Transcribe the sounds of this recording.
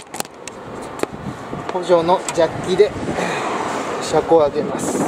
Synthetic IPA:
ho̞ʑo̞ːno̞d͡ʑakʲːid̪e̞ | ɕakoaɡe̞masɨ̥

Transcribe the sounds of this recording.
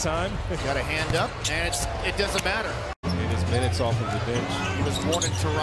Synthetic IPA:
tʰãɪ̃m | ɡ̥ɑɾɨhæ̃ndʌp̚ɨ̃nɨts | ɨt̚d̥ʌzɨ̃n̩mæɾə˞ | iɾɨsmɪ̃ñɨtsɔfʌvðɨθɪ̃nt͡ʃɾʌznwɑ̃ɾ̃ɪ̃ŋtʰəɹa

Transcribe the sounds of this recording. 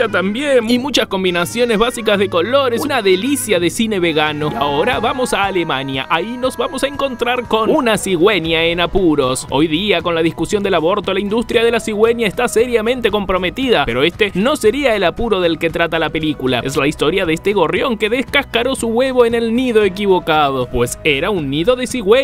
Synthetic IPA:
at̪ambjenimut͡ʃasko̞mbinasjo̞nezβasikazðeko̞lo̞ɾesnaðe̞lisjaðe̞sine̞βe̞ɣanoa̰oɾaβamo̞saːlemanja̰ʔaino̞zβamo̞saeŋko̞nt̪ɾaɾko̞nunasiɣwe̞njaenapuɾo̞so̞̰jðiako̞nlaðiskusjo̞nd̪elaβo̞ɾt̪o̞laind̪ust̪ɾjað̞e̞lasiɣwe̞njaest̪aseɾjamẽnt̪eko̞mpɾo̞me̞t̪iðape̞ɾo̞est̪e̞no̞se̞ɾiaelapuɾo̞ðe̞lket̪ɾat̪alape̞likula̰eslaist̪o̞ɾjaðest̪eɣo̞rjo̞ŋke̞ðeskaskaɾo̞suɣwe̞βoene̞lniðo̞ek̬iβ̞o̞kað̞opweseɾaunːiðo̞ðesiɣwe

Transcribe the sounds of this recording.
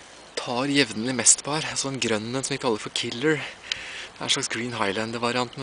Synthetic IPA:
t̪ʰɑːɾjɛʋd̪n̩ɪmɛst̪pʰɔhæːɾsɔd̪ɛnɡɾœnːənsɔmʋɪkʰɑlːəɾfɔɾkʰɪlːəɹ | d̪ɛæ̰ʂɭɑksɡɹiːnɦɑɪlænd̪ʋɑɾɪɑnt̪n̩

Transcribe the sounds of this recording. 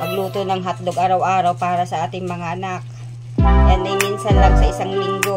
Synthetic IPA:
pɐɡluːt̪onɐŋɦat̪̚loɡʔaːɾɐwʔaːɾɐwpaːɾɐsɐʔaːt̪ɪŋmɐŋaʔɐnak̚ | janːɐjminsɐnlɐɡsɐʔɪsaŋlɪŋɡo

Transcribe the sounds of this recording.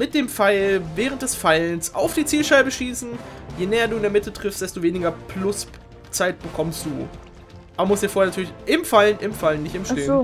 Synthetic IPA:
mɪt̚d̥eːmfaɪlvɛːʁənt̚d̥ɛsfaɪlnsa̰ʊfd̥iːt͡siːlʃaɪbəʃiːsn̩jeːnɛːɐduːɪndeɐmɪtətʁ̥ɪfstd̥ɛstoveːnɪɡɐpʰlʊs | t͡saɪt̚b̥əkʰɔmstd̥uː | ʔaːbɐmʊstd̥iːɐfoːɐeɐnatyːɐlɪçʔɪmfalnʔɪmfalənːɪçtɪmʃeː

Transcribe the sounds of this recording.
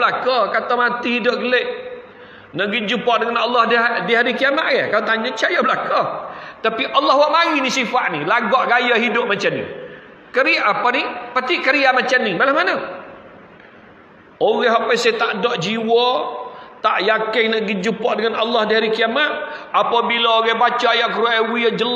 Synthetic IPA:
lakɔkat̪amat̪ihidʊʔ̚ɡəleʔ | naʔɡiɲd͡ʒupɔʔdəŋanalːɑhddiɦaɾikiamaʔjakaot̪aɲat͡ʃajablakɔt̪apiʔalːɑhwaʔmaɣinisifaʔnilaɡɔʔɡajaɦidʊp̚mat͡ʃamnḭ | kəɾiaʔapanipat̪iʔkəɾiamat͡ʃamnibalahmanə | oɣɛɦapajsajt̪aʔdɔʔd͡ʒiwɔ | t̪aʔjakɪŋnaʔɡid͡ʒupɔʔdəŋanalːɑhdiɦaɾikiamat̪̚apabilaoɣɛhbat͡ʃaajaʔkəɾuaʔwiad͡ʒəl

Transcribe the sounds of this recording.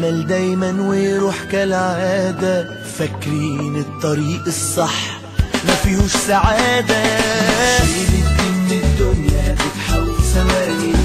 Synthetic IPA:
mald̪ajmanwiɾuːħkalʕʕaːd̪a | fakːɾiːnɨt̪ˤːɑɾiːʔɨsˤːɑħ | mafiːhusːaʕaːd̪a | liɪɪd̪ːʊnjat̪ɪt̪ħawsamaːni

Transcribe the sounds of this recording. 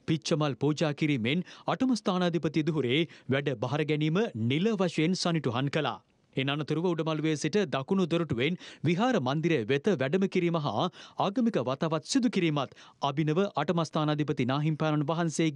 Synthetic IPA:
pit͡ʃəmalpuːd͡ʒaːkiɾiːmenaʈəmɐst̪aːnad̪ʱipət̪id̪uɦuɾeːʋæɖəbaɦaɾəɡɛniːməniləʋaʃɐjensaniʈuɦankəla̰ː | enanɐt̪uɾuʋəuɖəmaluʋeːsiʈəd̪akunud̪oɾuʈuʋenʋiɦaːɾəmɐnd̪iɾeʋet̪əʋæɖəməkiɾiːmɐɦa̰aːɡɐmikəʋat̪aʋat̪sid̪ukiɾiːmat̪abinəʋəʔaʈɐmast̪ʰaːnad̪ʱipət̪inaːɦimpaːnɐnʋaɦɐnseː

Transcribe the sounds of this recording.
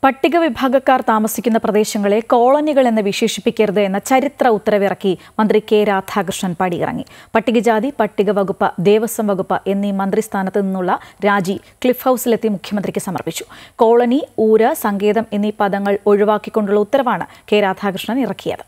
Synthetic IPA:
pɐʈːiɣɐʋibʱaːɡɐkːaːrt̪aːmɐsikʲːunːɐprɐd̪e̞ːɕɐŋːɐɭe̞ko̞ːɭɐniɣɐɭenːɨʋiʂe̞ːʂi̥pːikʲːɐɾuðɨe̞nːɐt͡ɕɐɾit̪rɐut̪ːɐɾɐʋirɐkːi | mɐnd̪rike̞ːɾaːd̪ʱʰaːkrɨʂɳɐnpɐɽiḭrɐ̰ŋːḭpɐʈːiɣɐd͡ʑaːd̪ipɐʈːiɣɐʋɐɣupːɐd̪e̞ːʋɐsɐmʋɐɣupːɐʔe̞nːimɐnd̪rist̪ʰaːnɐt̪ːɨninːuɭːɐɾaːd͡ʑi | kɭifhɐwsilet̪ːimukʰjɐmɐnd̪rikʲːɨsɐmɐ̰rpit͡ɕːu̥ko̞ːɭɐniuːɾɐsɐŋɡe̞ːðɐme̞nːipɐðɐŋːɐɭo̞ɻiʋaːkːikʲːo̞ɳɖuɭːɐut̪ːɐɾɐʋaːɳɨke̞ːɾaːd̪ʱʰaːkrɨʂɳɐnirɐkːijɐ̰ðɨ

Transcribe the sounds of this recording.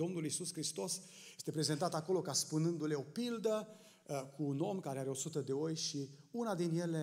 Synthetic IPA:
o̞mnulisuskɾist̪o̞sjest̪e̞pɾe̞ze̞nt̪at̪ako̞lo̞kaspunɨnd̪ule̞o̞pild̪ə | kʰuno̞mkaɾeaɾeo̞sut̪əd̪e̞o̞jʃiunad̪inje̞le

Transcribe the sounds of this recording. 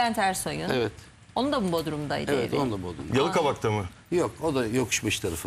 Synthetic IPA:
ænt̪ʰæɾsojunɛvɛt̪ | o̞nund̪abubod̪uɾumd̪aj̰d̪eeɛ̰ɾonund̪abod̪ɾumjalˠɯkabak̚t̪ʰamɯ | jokod̪ajo̞kʰu̥ʃmɯʃt̪ʰaɾafɯ

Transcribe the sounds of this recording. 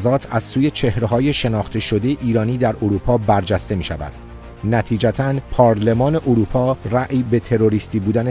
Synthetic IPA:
zɒːt̪ʰæzsuːje̞t͡ʃʰe̞hɾeɦɒːje̞ʃe̞nɒːχt̪ʰe̞ʃo̞d̪e̞jeʔiːɾɒːniːd̪æɾoɾuːpʰɒːbæɾd͡ʒæst̪e̞miːʃævæ̰d̪̥̚ | næt̪ʰiːd͡ʒæt̪ʰænpʰɒːɾle̞mɒːne̞ʔoɾuːpʰɒːræʔibe̞t̪ʰe̞ɾo̞ɾist̪iːbuːd̪æne

